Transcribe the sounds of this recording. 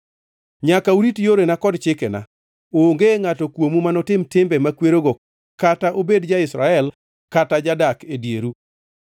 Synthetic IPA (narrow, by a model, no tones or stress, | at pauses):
ɲakauɾitjoɾenakɔdt͡ʃɪkɛna̰ | oːŋɡeŋatɔkwomumanɔtɪmtɪmbɛmakweɾoɡo | kataʔobedd͡ʒaɪsɾaɛl | katad͡ʒadakedjeɾu